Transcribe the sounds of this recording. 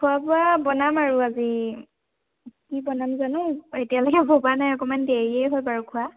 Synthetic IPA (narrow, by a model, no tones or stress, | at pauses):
kʰuapʊabɔnamaɹuazi | kibɔnamzanʊetijaloɡɛbobanajɔkɔmandeɹiejɦojbaɹukʰua